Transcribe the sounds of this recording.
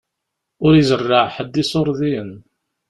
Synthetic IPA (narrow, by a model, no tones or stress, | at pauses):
ʊɾizərˤːəʕħəd̪ːisoɾˤðiən